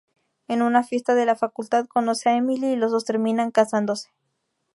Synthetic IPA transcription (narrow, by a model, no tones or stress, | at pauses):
enunafje̞st̪aðe̞lafakult̪aðko̞no̞seaemililosost̪e̞ɾmĩnaŋkasand̪o̞se̥